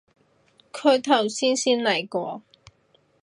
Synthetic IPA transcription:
kʰɵ˧ɥt̪ʰɐ˨˩wsiː˥nsiː˥nlɐ˨˩jkɔː˧

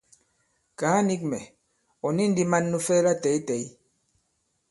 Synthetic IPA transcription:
kaː˨˦ni˦k̚mɛ˨ | ɔ˨ni˦n˦di˦ma˦nːu˦fɛ˦la˦˨tɛ˨˦i˦tɛ˨˦i˦

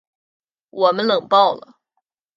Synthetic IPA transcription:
wɔ˨˩mə˦nlɤ˨˩ŋpɑ˥˩ʊlə̰˩

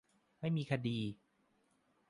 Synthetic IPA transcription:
ma˥˩jmiː˧kʰa˧diː˧

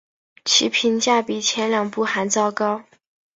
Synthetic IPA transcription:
t͡ɕʰi˧˥pʰi˧˥nt͡ɕja˥˩pi˨˩t͡ɕʰjɛ˧˥nljɑ˨˩ŋpu˥˩xa˧˥nt͡sɑ˥˩ʊkɑ˥ʊ

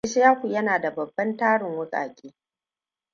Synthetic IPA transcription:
e˦ʃɪ˦jaː˦kʷu˨jɐ˦naː˨da˨bɐ˨bːɐ˦ntaː˦ɽɪ˨ŋwʊ˦kʼa̰ː˨kʲʼiː˦

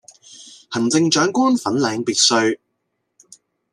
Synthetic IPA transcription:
hɐ˨˩nt͡sɪ˧ŋt͡ʃœː˨˥ŋkʷɔː˥nfɐ˨˥nlɛː˨˧ŋpiː˨t̚sɵ˧ɥ

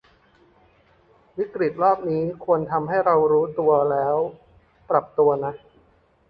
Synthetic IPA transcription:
wi˦˥kɾi˨˩t̪̚ɾɔː˥˩p̚niː˦˥kʰu˧ənt̪ʰa˧mɦa˥˩jɾa˧wɾuː˦˥t̪u˧ɐlɛː˦˥w | pɾa˨˩p̚t̪u˧ɐna˦˥

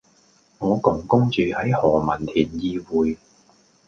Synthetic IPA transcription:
ŋɔː˨˧kʊ˨˩ŋkʊ˥ŋt͡ʃyː˨˧hɐ˨˥jhɔː˨˩mɐ˨˩nt̪ʰiː˨˩njiː˧wuː˨˧j

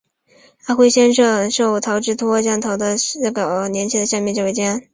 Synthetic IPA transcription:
a˥˩xwe˥˧ɪɕjɛ˥nʂɤ˥˧ŋʂo˥˩ʊt̪ʰɑ˧˥ʊʈ͡ʂɻ̩˥˩t̪ʰwɔ˥t͡ɕjɑ˥ŋt̪ʰɑ˧˥ʊd̪ə˧nə˥˩ɡə˨˩njɛ˧˥nt͡ɕʰi˥d̪ə˧ɕjɑ˥˧ŋmjɛ˥˧nʈ͡ʂwe˥˩t͡ɕjɛ˥n

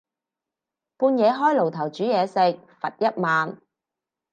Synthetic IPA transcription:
puː˧njɛː˨˧ɦɔː˥jlo˨˩wt̪ʰɐ˨˩wt͡ʃyː˨˥jɛː˨˧sɪ˨k̚fɐ˨t̚jɐ˥t̚maː˨n

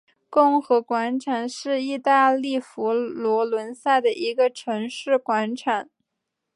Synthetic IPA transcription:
kʊ˥˩ŋxɤ˧˥kwa˧˥nʈ͡ʂʰa˨˩nʂɻ̩˥˧i˥˧t̪a˥˧li˥˩fu˧˥lwɔ˧˥lwə˧˥nsa˥˩ɪd̪ə˩ʔi˧˥ɡə˧ʈ͡ʂʰɤ˧˥ŋʂɻ̩˥˩kwa˧˥nʈ͡ʂʰa˨˩˦n

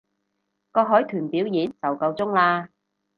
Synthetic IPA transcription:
kɔː˧k̚ɦɔː˨˥jt̪ʰyː˨˩npi˨˥wjiː˨˥nt͡sɐ˨wkɐ˧wt͡sʊ˥ŋlaː˧

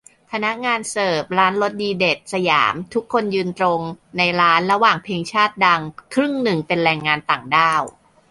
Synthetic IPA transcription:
pʰa˧na˦˥ʔŋaː˧nsɤː˨˩p̚ɾaː˦˥nlo˦˥t̪̚diː˧de˨˩t̪̚sa˧ja̰ː˩˦mt̪ʰu˦˥kʰːo˧njɯː˧nt̪ɾo˧ŋna˧jɾaː˦˥nɾa˧waː˨˩ŋpʰeː˧ŋt͡ɕʰaː˥˩t̪̚da˧ŋkʰɾɯ˥˩ŋnɯ˨˩ŋpe˧nɾɛː˧ŋːaː˧nt̪aː˨˩ŋdaː˥˩w

